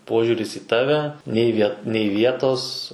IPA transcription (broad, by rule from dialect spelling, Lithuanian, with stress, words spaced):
ˈpoːʒʲʊrʲɪs iː ˈtɑːʋʲɛ nʲɛɪ ˈʋʲiɛ nʲɛɪ ˈʋʲiɛtoːs